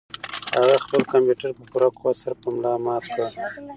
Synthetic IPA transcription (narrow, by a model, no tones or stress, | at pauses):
haɣaxpəlkampjuʈaɾpəpuɾakowasaɾpəmlɑmɑska